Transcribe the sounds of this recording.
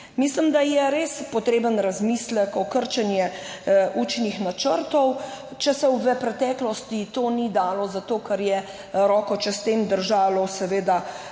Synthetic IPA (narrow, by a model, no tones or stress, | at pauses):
mislimd̪ajɛɾeːspɔt̪ɾeːbənɾazmisləkɔkəɾt͡ʃɛnjɛʔuːt͡ʃnixnat͡ʃəɾt̪ɔwt͡ʃɛsɛwʋɛpɾɛt̪ɛːklɔst̪it̪oːnid̪aːlɔzat̪oːkaɾjɛ | ɾɔːkɔt͡ʃɛst̪eːmd̪əɾʒaːlɔsɛʋeːd̪a